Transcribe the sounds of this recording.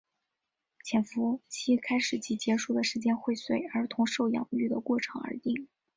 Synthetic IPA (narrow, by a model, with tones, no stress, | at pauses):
t͡ɕʰjɛ˨˩nfu˧˥t͡ɕʰi˥kʰa˥ɪʂɻ̩˨˩t͡ɕi˧˥˩t͡ɕjɛ˧˥ʂu˥˩d̪ə˩ʂɻ̩˧˥t͡ɕjɛ˥nxwe˥˩ɪswe˥˩ɪə˞˧˥t̪ʰʊ˧˥ŋʂo˥˩ʊjɑ̰˨˩ŋ˧˥y˥˩d̪ə˩kwɔ˥˩ʈ͡ʂʰɤ̰˧˥ŋə̰˞˧˥t̪i˥˩ŋ